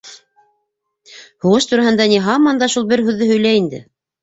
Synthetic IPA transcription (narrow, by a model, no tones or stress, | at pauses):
huʁɤʃt̪uɾɑɦɤ̆nd̪ɑniɦɑmɑnd̪ɑʃulˠbɘɾɦʉðːɘɦɵ̆jlæind̪ɘ̰